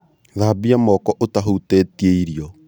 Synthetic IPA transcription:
ðaːbiamɔkɔʔotaɦutetieiɾiɔ

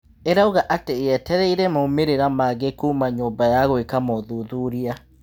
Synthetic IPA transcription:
eɾaoɣaʔateɛtɛɾɛiɾɛmoːmeɾeɾamaɣekumaɲoːbajaɣwekamɔðuðuɾia

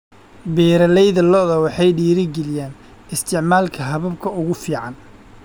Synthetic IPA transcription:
bɛːɾɐlɛjðɐlɔðɐwɑħɑjɖiːɾɪɡɛlɪjaːn | ɪst̪ʰɪʕmaːlkʰɐɦɐβɐb̚kʰɐʊɣʊfiːʕɑn

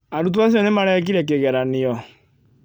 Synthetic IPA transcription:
aɾutuas̬iɔnemaɾɛk̬iɾɛk̬eɣɛɾaniɔ

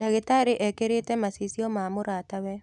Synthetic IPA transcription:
naɣetaɾeʔɛkeɾetɛmasisjɔmamoɾaːtawɛ

